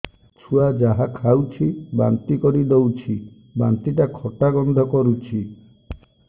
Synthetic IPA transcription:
t͡ʃʰuad͡ʒaɦakʰawt͡ʃʰiba̰nt̪ikɔɾid̪owt͡ʃʰi | bant̪iʈakʰɔʈaɡɔnd̪ʱɔkɔɾut͡ʃʰi

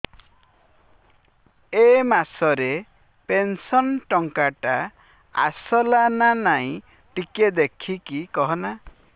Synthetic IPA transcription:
emasɔɾe | pensɔnʈɔŋkaʈa | a̰sɔlananaĩ | ʈiked̪ekʰikikɔɦɔna

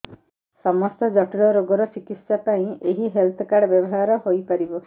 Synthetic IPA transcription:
sɔmɔst̪ɔd͡ʒɔʈiɽɔɾoɡɔɾɔt͡ʃikit̪sapaĩeɦiɦelt̪ʰɔkaɽɔbjɔbɔɦaɾɔɦojpaɾibɔ

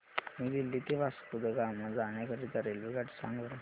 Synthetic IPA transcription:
mid̪ilːit̪iʋaskud̪əɡamad͡zaɳakəɾit̪əɾelʋiɡaʈisa̰ŋɡʋəɾ

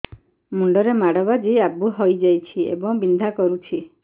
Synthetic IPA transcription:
muɳɖɔɾemaɽ̤ɔbad͡ʒejabuɦojd͡ʒajt͡ʃʰiḛbɔŋbind̪ʱakɔɾut͡ʃʰi

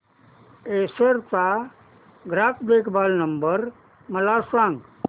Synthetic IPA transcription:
eːsəɾt͡sa | ɡɾaːpʰd̪eːkʰbaːlnəmbəɾ | məlasãːŋɡ

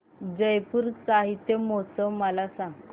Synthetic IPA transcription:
d͡zəjpuɾsaɦit̪jəmot͡səməlasãŋ

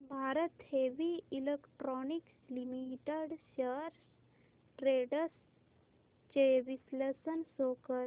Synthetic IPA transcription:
bʱaːɾət̪heʋiilekʈɾɔnik | limiʈeɖɕəɾs | ʈɾeɖəs | t͡ʃeʋislesənsokə

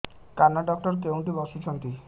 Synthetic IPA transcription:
kanːaɖɔk̚ʈɔɾkewɳʈibɔsut͡ʃʰɔnt̪i

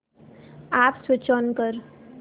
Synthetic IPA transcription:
aːpswɪt͡ʃʰɔnkəɾ

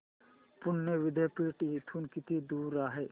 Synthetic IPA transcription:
pʊnːeʋɪd̪ʱepiːʈit̪ʰunkɪt̪id̪uːɾaːɦe

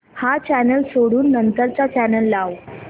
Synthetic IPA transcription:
hat͡ɕænəlsoɽuːnːənt̪əɾt͡sat͡ɕænəlːaw

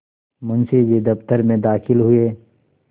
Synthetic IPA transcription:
mʊnsid͡ʒid̪ɐft̪əɾmẽd̪aːxɪlɦʊeː

